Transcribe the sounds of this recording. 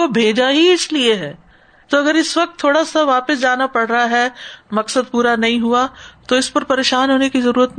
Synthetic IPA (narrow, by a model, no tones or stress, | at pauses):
obʱeːd͡ʒaɦiɪslieɦɛː | t̪oɐɡəɾɪsʋɐk̚t̪ʰːoːɽasaʋaːpəsd͡ʒaːnapɐɽɾaɦaɦɛmɐksəd̪̚puːɾanɐɦĩɦuat̪oɪspɐɾpɐɾeːʃaːnɦoːnekizɐɾuːɾət̪̚n